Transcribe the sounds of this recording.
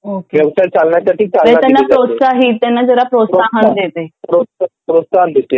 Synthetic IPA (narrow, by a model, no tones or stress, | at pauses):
okeʋjəʋʂajt͡salɳjasaʈʰiːt͡saɾet̪anːapɾot̪saɦit̪ːanːad͡zəɾapɾosaɦənd̪et̪epɾoapɾosaɦd̪et̪e